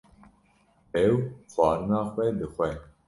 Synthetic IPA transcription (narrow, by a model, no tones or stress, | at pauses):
ɛwxʷɑːɾɨnɑːxʷɛd̪ɨxʷɛ